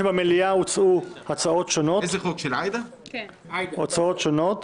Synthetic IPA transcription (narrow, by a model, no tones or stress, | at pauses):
ebameliaut͡suhat͡sao̞t̪ʃonoezeχokʃelajd̪a | ot͡saot̪ʃono̞t̪